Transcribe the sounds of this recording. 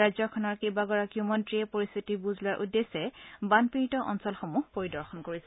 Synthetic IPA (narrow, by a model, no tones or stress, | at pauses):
azɔkʰɔnɔɹkibaɡɔɹakiumɔntɹiɛpoɹist̪ʰitibuzʱlʊaɹʔudːesɛbanpiɹitɔʔɔnsɔlxomuhpoɹidɔɹxɔnkoɹisɛ